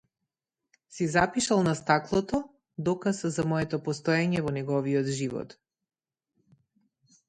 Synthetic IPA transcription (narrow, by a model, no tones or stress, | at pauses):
sizapiʃalˠnast̪aklˠɔt̪ɔ | d̪ɔkaszamɔɛt̪ɔpɔst̪ɔjaɲɛvɔnɛɡɔviɔd̪ʒivɔ̰t̪